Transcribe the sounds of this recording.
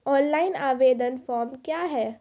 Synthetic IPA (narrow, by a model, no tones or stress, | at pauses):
ɔ̃ːnlaːɪnaːʋeːd̪ənfɔːɾmkjaːɦɛː